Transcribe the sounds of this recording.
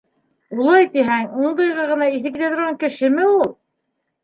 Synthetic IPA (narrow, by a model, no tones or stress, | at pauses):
ulˠɑjt̪iɦæŋuɴd̪ɤ̆jʁɑʁɤ̆nɑiθɘ̆kit̪æt̪ŏɾʁɑŋkɘ̆ʃɘmɘulˠ